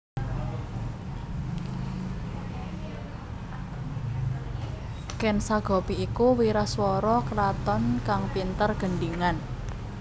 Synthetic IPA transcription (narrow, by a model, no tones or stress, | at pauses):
kɛnsaɡ̥ɔ̤piikuwiɾaswɔɾɔkɾat̪ɔnkaŋpint̪ərɡ̥ə̤nɖiŋan